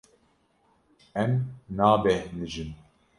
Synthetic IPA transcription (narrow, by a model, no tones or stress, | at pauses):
ɛmnaːbɛnɨʒɨn